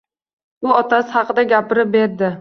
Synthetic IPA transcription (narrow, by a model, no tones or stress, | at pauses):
ʊɒt̪ʰashɑqɨd̪aɡʲapɪɾɪp̚be̞ɾd̪ɪ